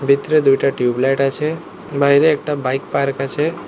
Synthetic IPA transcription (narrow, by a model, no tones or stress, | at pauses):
bʱit̪ɾed̪ujʈaʈjublajʈat͡ʃʰe | baɦiɾeːk̚ʈabajkpaɾkat͡ʃʰe